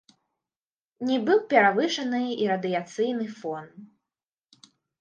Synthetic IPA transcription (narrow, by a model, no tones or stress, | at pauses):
nʲɛbɨwpʲɛɾavɨʂɐnɨiɾɐd̪ɨjat̪sɨjnɨfɔn